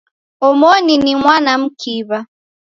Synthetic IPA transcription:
ɔmɔninimwanam̩kʰiβa

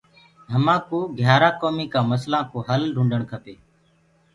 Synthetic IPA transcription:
ɦəmãːkuːɡʱjaːɾaːkoːmiːkaːməslãːkoːɦəlɾʱũːɳɖəɳkʰəpeː

